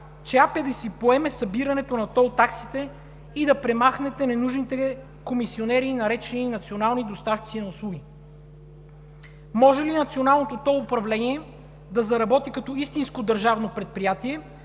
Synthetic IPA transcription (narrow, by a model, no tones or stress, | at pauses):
t͡ʃɛapɛd̪ɐsipoɛmɛsɐbiɾɐnɛt̪onɐt̪ɔlˠt̪aksit̪ɛ | id̪ɐpɾɛmaxnɛt̪ɛnɛnuʒnit̪ɛ | komisionɛɾiːnɐɾɛt͡ʃɛniːnɐt̪sionalˠnid̪ost̪afkʲi̥t̪sinɐʊslˠuɡʲi | mɔʒɛlinɐt̪sionalˠnot̪ot̪ɔlˠupɾɐvlɛniɛ | d̪ɐzɐɾɐbɔt̪ikɐt̪ɔist̪inskod̪ɐɾʒavnopɾɛt̪̚pɾijat̪iɛ